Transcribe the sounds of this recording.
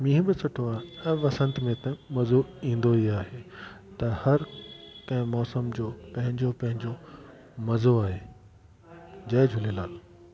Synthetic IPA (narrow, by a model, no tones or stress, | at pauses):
mĩːɦɪ̃bɪsɐʈʰoaːɦeɛ̃ʋɐsə̃nt̪mẽt̪ɐ̃mɐzoĩːn̆d̪oiaːɦeː | t̪ɐhɐɾkɐ̃ɦɪ̃mɔːsəmd͡ʑoːpɐ̃ɦɪ̃ɲd͡ʑopɐ̃ɦɪ̃ɲd͡ʑo | mɐzoaːɦeː | d͡ʑɐːd͡ʑʱʊlelaːl